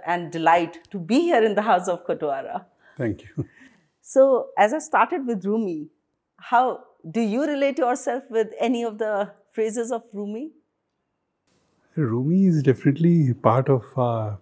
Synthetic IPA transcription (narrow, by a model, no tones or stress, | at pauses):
ɛ̃ɳɖɖɪlaɪʈːubihiəɾɪ̃nd̪əɦaʊsɔʋkoʈaɾa̰ | t̪ʰæ̃ŋkju | soːæzaɪsʈaːɾʈəɖ̚ʋɪd̪ɾumi | haʊ | ɖujuɾɪleːʈjɔːɾsɛlfʋɪd̪ɛniɔʋd̪əfɾeːzɪzɔʋɾuːmi | ɾuːmiɪzɖɛfɪnəʈlipaːɾʈɔʋ